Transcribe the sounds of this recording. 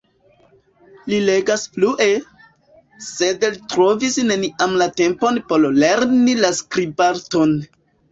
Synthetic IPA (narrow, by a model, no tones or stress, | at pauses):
lile̞ɡaspluʔe̞ | sedlitɾo̞visne̞niʔamlate̞mpo̞npo̞ɾle̞ɾnilaskɾibaɾto̞n